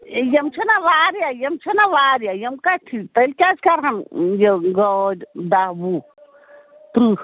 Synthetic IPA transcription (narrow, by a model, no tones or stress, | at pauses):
jɐmt͡ʃʰɐnaʋaːɾjajɐmt͡ʃʰɐnaʋaːɾjajɐmkatʰit̪ɐlʲkʲaskaɾɦɐmjeɡod͡ʒd̪aɦbu | t̪ɾuh